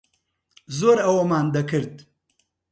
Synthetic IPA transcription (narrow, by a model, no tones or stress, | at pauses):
zoːɾɐwɐmaːnd̪ɐkɨɾd̪̚